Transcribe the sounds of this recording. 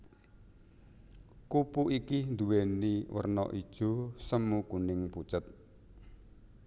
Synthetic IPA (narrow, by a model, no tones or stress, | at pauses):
kupuʔikind̪uweniwə̰rnɔ̰ʔid̥ʒ̥o̤səmːukunɪŋput͡ʃət̪̚